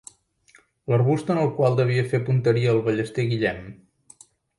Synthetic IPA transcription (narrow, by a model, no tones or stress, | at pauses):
lərβust̪ənəlˠkwalˠd̪əβ̞iəfepunt̪əɾiəːlˠβəʎəst̪eɣiʎɛm